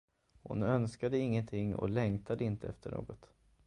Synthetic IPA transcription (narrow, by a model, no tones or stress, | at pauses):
hʊ̰nœnskad̪əɪŋːənt̪ʰɪŋːɔ̰lɛŋt̪ʰad̪əɪnt̪əɛft̪ʰəɳo̰ːɡɔt̪